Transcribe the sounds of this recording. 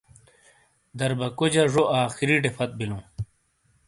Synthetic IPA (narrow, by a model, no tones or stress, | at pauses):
d̪ɐɾbɐkod͡ʑɐʐoʔaːxiɾiʈefɐt̪̚bilũː